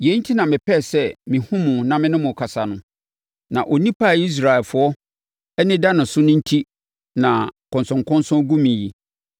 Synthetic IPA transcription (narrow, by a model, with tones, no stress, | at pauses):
je˨˦n̩˦tʰi˦nã˨mɪ̃˨pʰɛ˦˨sɛ˦mĩ˨hũ˦mʊ̃˨nã˨mɪ̃˦nʊ̃˦mʊ̃˨kʰa˨sa˨nʊ̃˨ | nã̰˨ʔo˨nĩ˦pʰa˦˨i˦s̬ɾa˨ɛ˨fʊ˨ɔ˦ | ɛ˦nɪ̃˦da˦nʊ̃˨sʊ˦nʊ̃˦n̩˦tʰi˦ | nã˨kʰɔ̃˨nsʊ̃˨ŋkɔ̃˦n˦sɔ̃˦ɡu˦mĩ˨ji˨